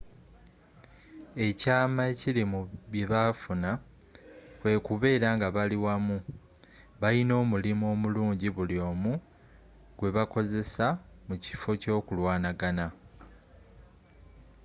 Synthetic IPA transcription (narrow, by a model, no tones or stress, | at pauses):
e̞caːmaecilimuβje̞βafuna | we̞kuβe̞ːɾaŋɡaβaliwamu | βaino̞ːmulimo̞ːmuluːɲɟiβuljo̞ːmu | ɡ̥we̞βako̞ze̞samuci̥fo̞co̞ːkulwaːnaɡana